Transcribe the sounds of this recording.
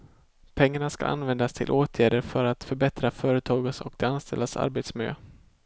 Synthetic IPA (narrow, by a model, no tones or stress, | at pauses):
pʰɛŋːaɳaska̰ʔa̰nvɛnd̪ast̪ʰɪ̰lʔoːt̪ʰjæːɖəɾfœɾat̪fœɾbɛt̪ɾafœːɾət̪ʰɑːɡəsɔ̰k̚d̪ɛanst̪ʰɛ̰lːasa̰ɾbeːt̪smɪlø̰ː